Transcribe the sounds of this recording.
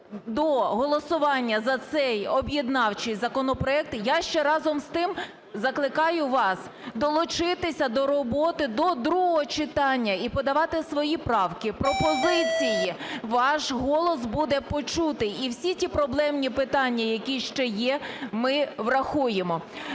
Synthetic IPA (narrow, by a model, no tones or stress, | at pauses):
d̪ɔɦɔlˠɔsʊʋɑnʲːɐzɐt̪sɛjɔbjid̪nɑwt͡ʃɪjzɐkɔnɔpɾɔɛk̚t̪jaʃt͡ʃɛɾɑzɔmst̪ɪm | zɐklˠɪkɑjʊʋɑs | d̪ɔlˠʊt͡ʃɪt̪ɪsʲɐd̪ɔɾɔbɔt̪ɪd̪ɔd̪ɾuɦɔɦɔt͡ʃɪt̪ɑnʲːɐipɔd̪ɐʋɑt̪ɪsʋɔjipɾɑwkɪpɾɔpɔzɪt͡sʲijiʋɑʃɦɔlˠɔsbud̪ɛpɔt͡ʃut̪ɪiwsʲitʲipɾɔblˠɛmnʲipɪt̪ɑnʲːɐjɐkʲiʃt͡ʃɛjɛmɪʋrɐxujemɔ